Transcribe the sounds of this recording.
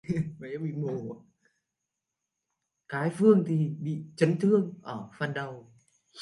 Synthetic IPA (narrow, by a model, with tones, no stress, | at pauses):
va˨˩a˧˥ɓḭ˧˨mo˨˩˨ | kaː˨˦jfɨ˧əŋt̪ʰi˨˩ɓḭ˧˨t͡ɕə˨˦nt̪ʰɨ˧əŋʔəː˧˩fa˨˩nɗə˨˩w